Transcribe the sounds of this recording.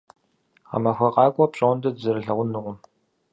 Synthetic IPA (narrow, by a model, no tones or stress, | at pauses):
ʁɐ̰mɐxʷɐqɑːkʷʼɔpɕʼoːndɐzɨɾɨɬɐʁʷʊnːɨʁʷʊm